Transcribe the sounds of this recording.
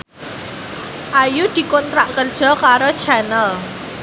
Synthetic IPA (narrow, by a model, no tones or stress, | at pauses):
ʔajud̪̥i̤kɔnt̪ɾaʔkərd̥ʒ̥ɔ̤kaɾod̥t͡ʃanəl